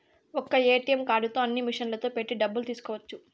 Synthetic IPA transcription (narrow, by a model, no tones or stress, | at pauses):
ɔkːɐeːʈijɐmkaːɖut̪o̞ːɐnːimiʂɐnlɐt̪o̞ːpe̞ʈːiɖɐbːult̪iːsu̥kɔːʋɐt͡ʃːu